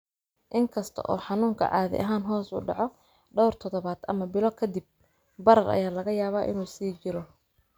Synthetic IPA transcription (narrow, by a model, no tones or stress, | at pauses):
ʔɪŋkʰɐst̪ʰɐ̰ʔɔːħɑnuːŋkʰɐ̰ʕɑːðɪ̰ʔɐ̰ɦaːnɦɔːsʊ̰ɖɑʕɔ | ɖɔwrt̪ʰɔðɔβaːd̪̥ɐmɐbɪlɔkʰɐd̪ɪb̚ | bɐɾɐrʔɐ̰jaːlɐɣɐjaːβaːʔɪ̰nuːsiːt͡ʃɪɾɔ